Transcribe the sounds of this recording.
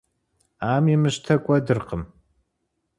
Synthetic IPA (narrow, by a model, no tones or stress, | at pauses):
aːmimɨʃtʰɐkʷʼɐdɨrqəm